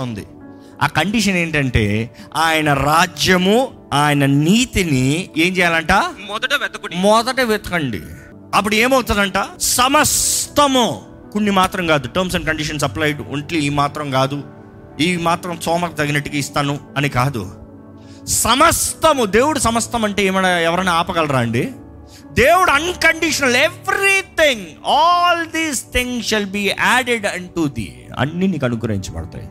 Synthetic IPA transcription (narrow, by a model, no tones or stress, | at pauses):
ond̪ḭ | a̰ːkɐɳɖiʂɐneːɳʈɐɳʈe̞ːaːjɐnɐɾaːd͡ʒjɐmu | aːjɐnɐniːt̪inie̞ːɲt͡ʃɛːjaːlɐɳʈaːd̪ɐɛt̪ɐmɔd̪ɐʈɐʋɛt̪ɐkɐɳɖḭ | ɐp̬ːuɽe̞ːmɐwt̪und̪ɐɳʈaːsɐmɐst̪ɐmu | konːimaːt̪ɾɐmkaːd̪uʈɐɾms̬ɐɳɖkɐɳɖiʂ̬ɐns̬ɐplaːjʈṵɳʈliːmaːt̪ɾɐmkaːd̪u | iːmaːt̪ɾɐmsɔːmɐkut̪ɐɡinɐʈːuɡaist̪aːnuɐnikaːd̪ṵ | sɐmɐst̪ɐmud̪e̞ːwuɽusɐmɐst̪ɐmɐɳʈeːeːmɐnaɛʋɐɾɐnaaːpɐɡɐlɐɾaːɐɳɖi | d̪eːwuɽuɐnkɐɳɖiʂɐnɐleʋɾit̪iŋɔːld̪iːzt̪ʰiŋsʃɐlbiːʔæːɖeɖɐɳʈud̪ḭ | ɐ̰nːiniːkɐnukuɾɐḭɲt͡ʃɐbɐ̰ɽɐt̪a̰ːjḭ